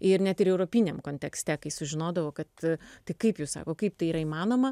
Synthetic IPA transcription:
ɪɾnʲɛt̪ɪɾɛʊɾoːpʲinʲɛmkoːnʲt̪ʲɛksʲt̪ʲɛkɐɪsʊʒʲɪnoːd̪ɐʋoːkɐt̪t̪ʲɪkɐɪpjuːsɑ̰ːkoːkɐɪpt̪ɐɪiːɾɐiːmɑːnoːmɐ

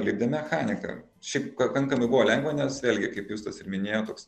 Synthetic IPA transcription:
lʲiːb̚ʲd̪ʲɛmʲɛxɑːnʲɪkɐ̰ | ʃʲɛɪpkɐkɐŋkɐmɐɪbuʋoːlʲɛŋɡʋɐːnʲɛsʋʲeːlʲɡʲɪkɐɪpjuːst̪ɐsɪɾmʲɪnʲeːjoːt̪oːks

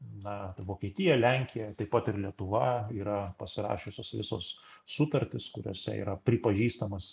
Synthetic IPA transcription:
nɐʋoːkʲiɛt̪ʲɪjɛlʲæŋʲkʲɪjɛt̪ɐɪpːɐt̪ɪrlʲiɛt̪ʊʋɐiːɾɐpɐsʲɪɾɑ̰ːʃʲʊsʲoːsʋʲɪso̰ːssʊt̪ɐɾʲt̪ʲɪskʊɾʲo̰ːsʲɛ̰ḭːɾɐpʲɾʲɪpɐʒʲiːst̪ɐmɐs

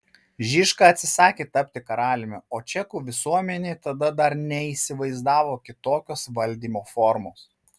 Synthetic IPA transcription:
ʒʲiʃkɑɐt̪ʲsʲɪsɑːkʲeːt̪ɐpʲt̪ʲɪkɐɾɑːlʲɪmʲɛoːt͡ʃʲɛkuːʋʲɪsuɔmʲɛnʲeːt̪ɐd̪ɐd̪ɐɾnʲɛiːsʲɪʋɐɪzd̪ɑːʋoːkʲɪt̪oːkʲoːsʋɐlʲd̪ʲiːmoːfɔɾmoːs

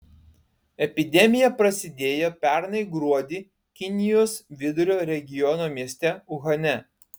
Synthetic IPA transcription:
ɛpʲɪd̪ʲɛmʲɪjɛpɾɐsʲɪd̪ʲeːjoːpʲæˑɾnɐɪɡɾuɔd̪ʲiː | kʲɪnʲɪjoːsʋʲɪd̪ʊɾʲoːɾʲɛɡʲɪjɔnoːmʲiɛsʲt̪ʲɛʊɣɐnʲɛ

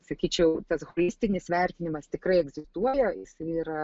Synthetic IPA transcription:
sɐkʲiːt͡ʃʲɛʊt̪ɐsɣolʲɪsʲt̪ʲɪnʲɪsʋʲɛrʲt̪ʲɪnʲɪmɐst̪ʲɪkɾɐɪɛɡzʲɪst̪uɔjɛɪsɐɪiɾɐ

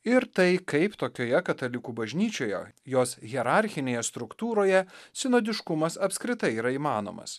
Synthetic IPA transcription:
ɪɾt̪ɐɪkɐɪpt̪oːkʲoːjɛkɐt̪ɐlʲɪkuːbɐʒʲnʲiːt͡ʃʲoːjɛ̰joːsɣʲɛɾɑɾʲxʲɪnʲeːjɛst̪ɾʊkt̪uːɾoːjɛsʲɪnoːd̪ʲɪʃkʊmɐsɐpskɾʲɪt̪ɐɪiːɾɐiːmɑːno̰ːmɐ̰s

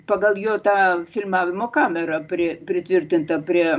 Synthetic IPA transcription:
pɐɡɐlˠjoːt̪ɑːfʲɪlʲmɑːʋʲɪmoːkɑːmʲɛɾɐpʲɾʲɪpʲɾʲɪt̪ʲʋʲɪrʲt̪ʲɪnt̪ɐpʲɾʲiɛ

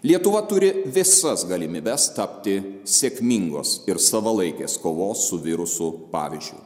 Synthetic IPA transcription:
lʲiɛt̪ʊʋɐt̪ʊɾʲɪʋʲɪsɐsɡɐlʲɪmʲiːbʲɛst̪ɐpʲt̪ʲɪsʲeːkmʲiŋɡo̰ːsɪɾsɐʋɐlˠɐɪkʲḛːskoːʋoːsːʊʋʲɪɾʊsʊpɑ̰ːʋʲizʲd͡ʒʲʊ̰ɪ

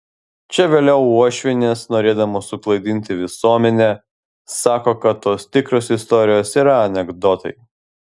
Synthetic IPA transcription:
t͡ʃʲɛʋʲeːlʲɛʊuɔʃʲʋʲɪnʲeːsnoːɾʲeːd̪ɐmoːsʊklˠɐɪd̪ʲɪnʲt̪ʲɪʋʲɪsuɔmʲɛnʲɛ | sɑːkoːkɐt̪ːoːst̪ʲɪkɾoːsɪst̪ɔɾʲɪjoːsiːɾɐɐnʲɛɡd̪ɔːt̪ɐ̰ɪ

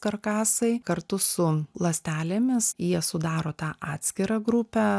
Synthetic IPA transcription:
kɐrkɑːsɐɪkɐɾt̪ʊsʊlˠɐsʲt̪ʲæːlʲeːmʲɪsjiɛsʊd̪ɑːɾoːt̪ɑːʔɑːt̪ʲsʲkʲɪɾɑːɡɾʊpʲæː

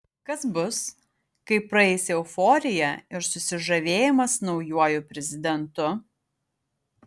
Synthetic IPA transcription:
kɐsbʊs | kɐɪpɾɐɛɪsʲɛʊfɔːɾʲɪjɛɪɾsʊsʲɪʒɐʋʲeːjɪmɐsnɒʊjuɔjʊpʲɾʲɛzʲɪd̪ʲɛnt̪ʊ

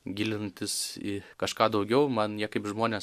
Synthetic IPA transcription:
ɡʲɪlʲɪnt̪ʲɪsɪkɐʃkɑːd̪ɐʊɡʲɛʊmɐnjiɛkɐɪpʒmoːnʲeːs

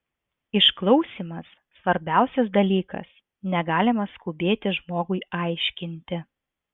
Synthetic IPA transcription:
ɪʃklˠɒʊsʲiːmɐsːʋɐɾʲbʲæˑʊsʲɛs̬d̪ɐlʲiːkɐ̰s | nʲɛɡɑːlʲɪmɐskʊbʲeːt̪ʲɪʒmoːɡʊɪɑˑɪʃʲkʲɪnʲt̪ʲɪ

